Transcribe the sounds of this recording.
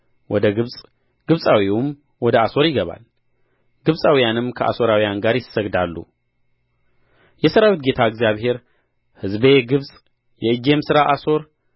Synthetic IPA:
wʔɔd̪əɡɨβsʼ | ɡ̥ɨβsʼawiwum | wɔd̪əaso̞ɾjɪɡəβa̰l | ɡ̥ɨβsʼawijanɨmkʰəʔa̰so̞ɾawijanɡaɾjɪsːəɡd̪alːṵ | jɛsəɾawit̪̚ɡe̞t̪ʰaɨɡzijaβhe̞ɾ | hɨzbe̞ɡɨβsʼ | jɛɨd͡ʒe̞msɨɾaʔaso̞ɾ

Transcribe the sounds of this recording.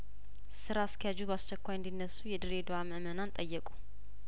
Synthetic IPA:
sɨɾaːst̪ʰəjad͡ʒubast͡ʃɛkʷːajɨnd̪inːəsːujɛd̪ɨɾe̞d̪oaməmənant̪ʼəjːɛkʼu

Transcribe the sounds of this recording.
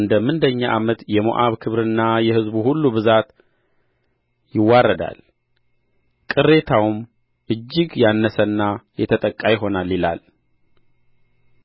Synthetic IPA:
ɨnd̪əmɨnd̪əɲːaʔamət̪jɛmo̰ʔaβkʰɨβɾɨnːajɛhɨzbuhulːubɨzat̪ | jɪwːarːəd̪a̰l | kʼɨrːe̞t̪ʰawm | ʔɨd͡ʒːɪɡjanːəsənːajɛt̪ʰət̪ʼəkʼːajɪɦo̞nalːila̰l

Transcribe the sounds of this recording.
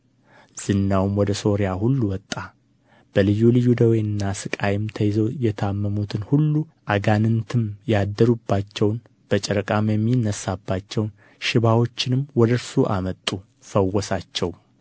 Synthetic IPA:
z̥ɨnːawmwɔd̪əso̞ɾijahulːuwɔt̪ʼːa | b̥əlɨjːulɨjːud̪əweɨnːasɨkʼajɪmt̪ʰəjɪzowjɛt̪ʰəamːəmut̪ʰɨnhulːuʔaɡanɨnt̪ʰɨmjad̪ːəɾubːat͡ʃːɛwn | b̥ət͡ʃʼɛɾəkʼamjɛmːinːəsabːat͡ʃːɛwn | ʃɪβawo̞t͡ʃːɪnɨmwɔd̪əɾsuʔa̰mət̪ʼːu | fəwːɔsat͡ʃːɛw

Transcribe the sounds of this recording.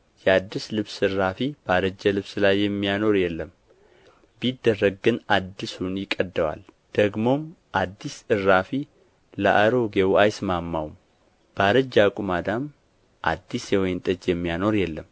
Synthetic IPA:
jɛad̪ːislɨβsɨrːafib̥aɾəd͡ʒəlɨβsɨlajːɛmːijano̞ɾjɛlːəm | bid̪ːərːəɡɨnad̪ːisunjɪkʼːəd̪ːəwa̰l | d̪̥əɡmo̞m | ʔad̪ːisɨrːafi | ləʔaɾo̞ɡewajsmamːawm | b̥aɾəd͡ʒakʼumad̪am | ʔa̰d̪ːisjɛwɔjnt̪ʼəd͡ʒjɛmːijano̞ɾjɛlːəm

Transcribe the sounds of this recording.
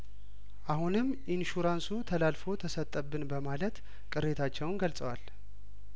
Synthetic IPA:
ʔahunɨm | inʃuɾansut̪ʰəlalfo̞t̪ʰəsət̪ʼːəbːɨnbəmalət̪ | kʼɨɾe̞t̪ʰat͡ʃːɛwnɡəlsʼəwal

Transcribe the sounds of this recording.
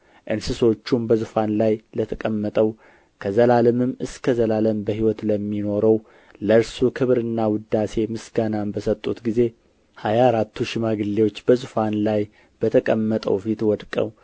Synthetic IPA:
ʔɨnsɨso̞t͡ʃːumbəzɨfanlajlət̪ʰəkʼəmːət̪ʼəw | kʰəzəlaləmɨmɨskʰəzəlaləmbəhiwɔt̪ləmːino̞ɾəw | ləɾsukʰɨβɾɨnːawʊd̪ːase̞mɨsɡanambəsət̪ʼːut̪ɡize̞ | hajaɾat̪ʰːuʃɪmaɡɨlːewo̞t͡ʃːbəzɨfanlaj | b̥ət̪ʰəkʼəmːət̪ʼə̰wfit̪wɔd̪kʼə̰w

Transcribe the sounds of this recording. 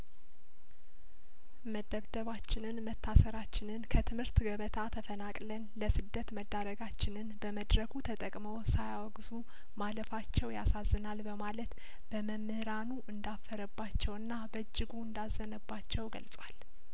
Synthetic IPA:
məd̪əβd̪əβat͡ʃːɪnɨnmət̪ʰːasəɾat͡ʃːɪnɨnkʰət̪ʰɨmhɨɾt̪ɡəβət̪ʰat̪ʰəfənakʼlənləsɨd̪ːət̪məd̪ːaɾəɡat͡ʃːɪnɨnbəməd̪ɾəkʰut̪ʰət̪ʼəkʼmowsajawɔɡzu | maləfat͡ʃːɛwjasazːɨnalbəmalət̪ | b̥əməmːɨhɾanuʔɨnd̪afːəɾəbːat͡ʃːɛwɨnːabəɨd͡ʒːɨɡuɨnd̪azːənəbːat͡ʃːɛwɡə̰lsʼwal

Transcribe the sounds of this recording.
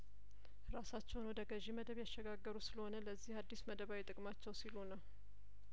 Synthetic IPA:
ɾasat͡ʃːɛwnwɔd̪əɡəʒiməd̪əβjaʃːɛɡaɡːəɾusɨləhonələzːihad̪ːisməd̪əβawet̪ʼɨkʼmat͡ʃːɛwsilunəw

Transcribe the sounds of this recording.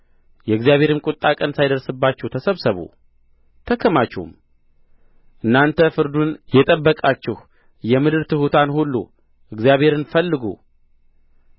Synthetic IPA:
jɛɨɡzijaβhe̞ɾɨmkʼʊt̪ʼːakʼənsajd̪əɾsɨbːat͡ʃːɛwt̪ʰəsəβsəβṵ | t̪ʰəkʰəmat͡ʃːṵm | ʔɨnːant̪ʰəfɨɾd̪unjɛt̪ʼəbːəkʼat͡ʃːɪh | jɛmɨd̪ɨɾt̪ʰɨhut̪ʰanhulːṵ | ʔɨɡzjaβhe̞ɾɨnfəlːɨɡṵ

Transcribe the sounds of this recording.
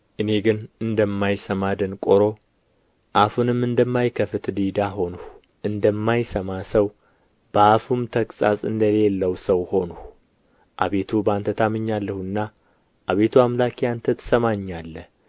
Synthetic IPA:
ʔɨne̞ɡɨnɨnd̪əmːajsəmad̪ənkʼoɾo̞ | ʔafunɨmːɨnd̪əmːajkʰəfɨt̪d̪id̪aɦo̞nuh | ʔɨnd̪əmːajsəmasəw | b̥əafumt̪ʰəkʼsʼa̰sʼɨnd̪əlelːəwsəwho̞nu | ʔaβe̞t̪ʰubant̪ʰət̪amɨɲːalːəhuɨnːa | ʔaβe̞t̪ʰuamlakijant̪ʰət̪səmaɲːalːə

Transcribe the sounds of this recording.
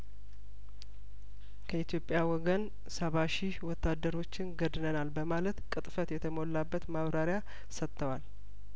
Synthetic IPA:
kʰəit̪jo̞pʼːjawɔɡən | səβaʃiwɔt̪ːad̪ːəɾo̞t͡ʃːɪnɡəd̪nənalbəmalət̪kʼɨt̪ʼfət̪jɛt̪ʰəmo̞lːabːət̪maβɾaɾɪja | sət̪ʰːəwal

